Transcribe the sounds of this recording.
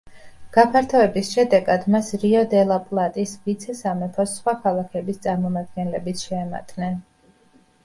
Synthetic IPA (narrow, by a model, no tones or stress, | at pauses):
ɡ̥apʰaɾt̪ʰɔɛbisʃɛd̪ɛɡad̪masɾiɔd̪ɛlˠapʼlˠat̪ʼisvit̪sʰɛsamɛpʰɔsχwakʰalˠakʰɛbist̪sʼaɾmɔmad̪̚ɡɛnlɛbit̪ʰʃɛːma̰t̪ʼnɛn